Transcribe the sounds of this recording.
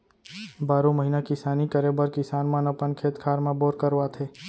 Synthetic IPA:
baːɾõməɦiːnakɪsaːnikəɾebəɾkɪsaːnmãnɐpənkʰeːt̪kʰaːɾmãboːɾkəɾʋat̪ʰeː

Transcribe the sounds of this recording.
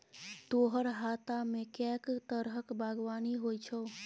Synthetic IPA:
t̪oɦəɾɦat̪amekɛkt̪əɾɦəkbaɡʋaːniɦojt͡ʃʰo

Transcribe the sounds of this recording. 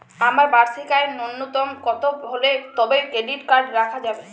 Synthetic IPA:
amaɾbaɾt̪ʰikaenonːot̪ɔmkɔt̪obʱolet̪ɔbejkeɖibkaɾɖɾakʰad͡ʑabe

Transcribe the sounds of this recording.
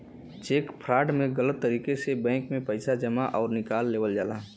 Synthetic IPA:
t͡ʃeːkpʰɾaːɖmẽɡələt̪ːəɾiːkesebɛ̃ːŋkmẽpəɪsad͡ʒəmaʔɔːɾnɪkaːlːeːʋəld͡ʒaːlaː

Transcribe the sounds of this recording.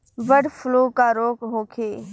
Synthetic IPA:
ʋəɽfʰʊloːkaːɾoːkɦoːkʰeː

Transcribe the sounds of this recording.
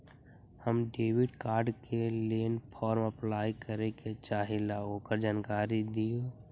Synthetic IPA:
həmɖeːʋɪɖkaːɾɖkeleːnpʰɔːɾmɐplaːjkəɾeket͡ʃaːɦilaoːkəɾd͡ʒaːnkaːɾid̪ijoː

